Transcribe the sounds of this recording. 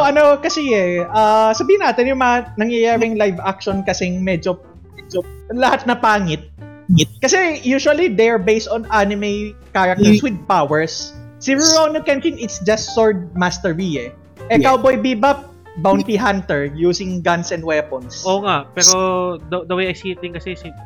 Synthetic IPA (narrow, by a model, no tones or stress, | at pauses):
oʔɐnokɐsɛɛʔasɐbiːhɪnːaːt̪ɛnjʊŋmɐŋɐnɐŋjɐjaːɾɪŋlajvakʃɔnkɐsɛŋmɛːd͡ʒo | mɛd͡ʒolɐhat̪̚nɐpaːŋɪt̪̚ | ɪt̪̚kɐsɛjuːʃʊɐlid̪ɛɹbejst̪ɔ̃nʔanɪmɛjkaːɹɐk̚t̪ɛswɪd̪̚pawɛɹsːɪɹʊɹownokɛnt͡ʃɪŋɪt̪sd͡ʒɐst̪soɹd̪̚mast̪ɛɹbiɛ | ʔɛkawbojbibɐp | bawnt̪iɦant̪ɛɹjuːsɪŋɡɐnsɛnd̪̚wɛːpɔnsoːŋaʔpɛːɾod̪ɐd̪ɐwejɐjsit̪̚lɪŋkɐsɛsi